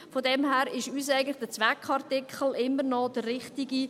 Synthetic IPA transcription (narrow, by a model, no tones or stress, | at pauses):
fodɛmhæːɾɪʃyːsæɪɡn̩tlɪ̥χd̥ət͡sʋɛkʰχɑɾtɪkχəl̩ɪmːəɾnɔdərːɪχtiɡi